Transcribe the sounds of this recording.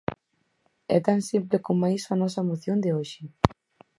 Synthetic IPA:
ɛ̰t̪ansimplekomːajisɐnɔsɐemoθjond̪eoʃɪ

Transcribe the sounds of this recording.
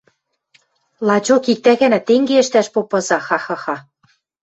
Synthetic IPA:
lˠɑt͡ɕokik̚t̪æɣænæt̪eŋɡeɘ̆ʃt̪æʃpopɤ̆zɑxɑxɑxɑ

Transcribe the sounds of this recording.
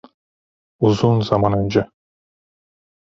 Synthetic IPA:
uzunzɑmɑnønd͡ʒa

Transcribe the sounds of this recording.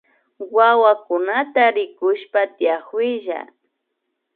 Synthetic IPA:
wawakʊnat̪aɾɪkʊʃpat̪ɪjaχwɪʒa̰

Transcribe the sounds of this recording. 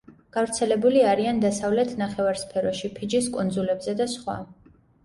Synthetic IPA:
ɡ̥avɾt̪sʰɛlɛbuliaɾiand̪asavlɛt̪ʰnaχɛvaɾspʰɛɾɔʃipʰid͡ʒiskʼund̪zulɛbzɛd̪asχwa̰

